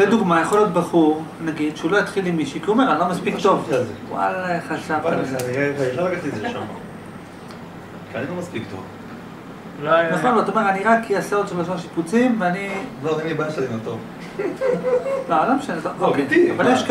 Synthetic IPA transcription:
bed̪uɡmajaχolijo̞t̪̚baχuʁ | naɡid̪ʃeulo̞jit̪χilimːiʃikiomeʁanilomaspiktt̪ovwa̰laχaʃavaaniʁevajiʃlaɡatizeʃama̰ | kianilomaspikt̪o̰v | lajneχoavaat̪omeʁaniʁakːiaseot̪ebasaʁʃiput͡simveanilodiibaʃadimat̪ov | lealamʃezooked̪valjeʃk

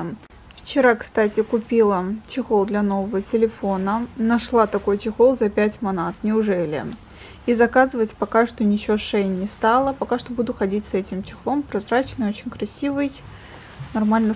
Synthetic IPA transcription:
ft͡ɕɪɾakst̪atʲɪkʊpʲilˠət͡ɕɪxolˠd̪lʲɐno̞vəvətʲɪlʲɪfo̞nənɐʂlˠat̪ɐko̞jt͡ɕɪxolˠzɐpʲætʲmɐnat̪nʲɪʊʐɛlʲɪ̰ | izɐkazɨvətʲpɐkaʂt̪onʲɪt͡ɕɪoʂejnʲɪst̪alˠəpɐkaʂt̪o̞bud̪ʊxɐdʲitʲsɛtʲɪmt͡ɕɪxlˠo̞mpɾɐzɾat͡ɕnɨjo̞t͡ɕɪnʲkɾɐsʲivɨj | nɐrmalʲnə

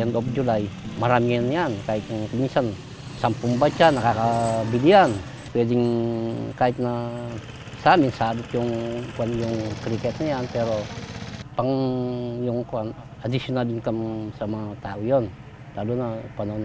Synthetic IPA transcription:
and̪ɔp̚d͡ʒulajmaɾamianiankait̪̚nŋkəmisan | sampuŋbat͡ʃanakakabilian | pediŋ | kait̪̚na | saminsadut̪jɔŋkuanjuŋkɾikɛt̪niant̪ɛɾɔ | paŋjuŋkuan | adisiɔnadiŋkəmsamat̪aujɔn | t̪adunapanɔn

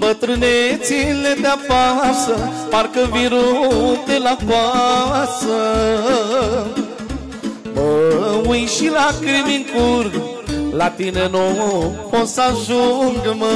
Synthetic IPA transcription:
bət̪ɾɨnet͡silet̪apasəpaɾkəviɾot̪elakwasə | bəwujʃilakɾimiŋkuɾ | lat̪inənopõsazuŋɡəmə

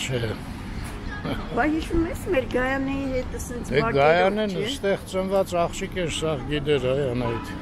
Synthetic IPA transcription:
t͡ʃʰɛ | bɑɦiʃvumɛsmɛɾɡɑjɑnɛjiɦɛt̪əsɛnt͡s̪ʰɛɑɡɑjɑnɛnst̪ɛχt͡sənvɑt͡sɑχt͡ʃʰikɛnsɑʁɡid̪ɛɾɑjɑnɑit̪ʰ

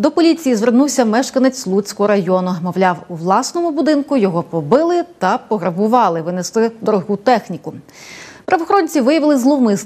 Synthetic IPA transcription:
d̪ɔpɔlʲit͡sʲijizʋernuwsʲɐmɛʃkɐnet͡sʲlˠut͡sʲkɔɦɔɾɐjɔnʊmɔʋlʲɑwuʋlˠɑsnɔmʊbʊd̪ɪnkʊjɔɦɔpɔbɪlˠɪt̪ɐpɔɦɾɐbʊʋɑlˠɪʋɪneslˠɪd̪ɔɾɔɦut̪ɛxnʲikʊ | pɾʔɐʋɔxɾɔnʲt͡sʲiʋɪjɐʋɪlˠɪzlˠɔmɪs

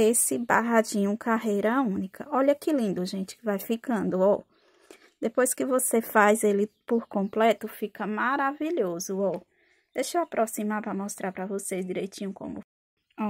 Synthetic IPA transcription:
esɪbaɦad͡ʒĩɲʊkʰaɦejɾɐaũnikʰɐɔʎɐkɪlĩnd̪ʊʒẽt͡ʃɪ̥kɪvajfikɐ̃nd̪ʊɔ | d̪epojskɪvosefajzelɪpoɾkõmplɛt̪ʊfikɐmaɾaviʎozʊɔ | d̪̥ejʃoapɾʔosĩmaɾpɾɐmɔst̪ɾaɾpɾɐvosejzd͡ʒiɾejt͡ʃĩɲʊkõ̰mʊ

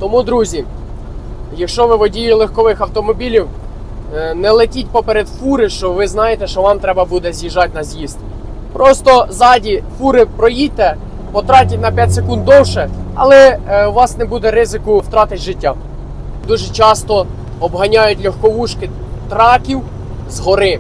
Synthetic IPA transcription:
t̪ɔmud̪ɾuzʲi | jɐkʃt͡ʃɔʋɪʋɔdʲijilˠexkɔʋɪxɐwt̪ɔmɔbʲilʲiw | nɛlˠetʲitʲpɔpeɾɛd̪fuɾɪʃt͡ʃɔʋɪznɑjet̪ɛʃt͡ʃɔʋɑmt̪ɾɛbɐbud̪ɛzʲjiʒɑtʲnɐzʲjizt̪ | pɾʔɔst̪ɔzɑdʲifuɾɪpɾɔjid̚ʲt̪ɛ | pɔt̪ɾɑtʲɐtʲnɐpʲjat̚ʲsekund̪d̪ɔwʃɛɐ̰lˠɛuʋɑsnɛbud̪ɛɾɪzɪkʊwt̪ɾɑt̪ɪtʲʒɪtʲːa | d̪uʒɛt͡ʃɑst̪ɔ | ɔbɦɐnʲajʊtʲlʲɔxkɔʋuʃkɪ | t̪ɾɑkʲiw | zɦɔɾɪ

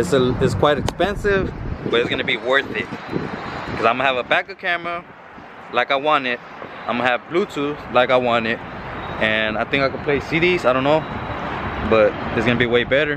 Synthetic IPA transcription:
ɨtsɨɪtskʰw̥aɪɾɨkspɛ̃nsɪv̥b̥ʌɾɨtsɡ̥ʌnɨbiwɜ˞θɪt̚ | kʰʌzãɪ̃mːvəbækʌ̥kʰæmə | laɪkaɪwɑ̃nɪt̚ | ãɪ̃mɨvblutʰʉzlaɪkaɪwɑ̃nɪt̚ɨ̃naɪθɪ̃ŋkaɪkəd̚pʰl̥eɪsiɾizaɪɾõʊ̃nːoʊ | b̥ʌɾɨtsɡ̥ʌnɨbiweɪbɛɾə˞

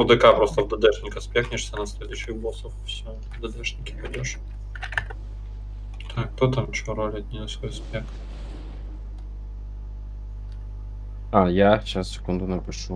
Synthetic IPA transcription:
d̪ɪkapɾost̪ɐvd̪ɐd̪ɛʂʲɪnʲkɐspʲexnʲɪʂsʲɐnɐsʲlʲed̪ʊɕɪxbɔsɔffsʲɔ | vd̪ɐd̪ɛʂnʲɪkʲɪpɐdʲoʂ | t̪ʰakt̪ot̪amt͡ɕɔɾolʲɪɐd̪̚ʲnʲijɐsvɔjspʲex | ajat͡ɕassʲe̥kund̪ʊnɐpɪʂu

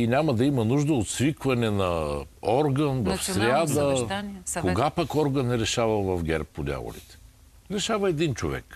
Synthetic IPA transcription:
inʲamɐd̪ɐimɐnuʒd̪əot̪svikvɐnɛnɐ | ɔɾɡənvɐfsɾʲad̪ə | koɡapakɔɾɡənɛɾɛʃavɐlvɐfɡʲɛɾpːod̪ʲa̰vo̰lḭt̪ɛ̥ | ɾɛʃavɐɛd̪int͡ʃovɛ̰k

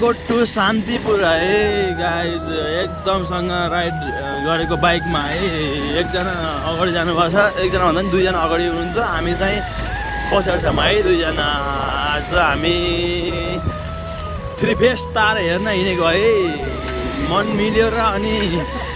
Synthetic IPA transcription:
koʈːusant̪ipuɾʌɦeɡad͡zek̚d̪ʌmsʌŋɡʌrajʈ | ɡʌɾekobajkmaɦʌj | ek̚d͡zʌna | ʌɡaɽid͡zanubʱʌt͡sʰʌek̚d͡zʌnabʌ̃nanid̪ujd͡zʌnaʌɡaɽiɦunuːnt͡sʰʌɦamit͡saĩ | pʌsʰaɽsʰamaɦʌjd̪ujd͡zʌna | d͡zʌɦami | t̪ʰripʰest̪aɾɦernʌɦinekoɦe | mʌnmiljeɾʌːni

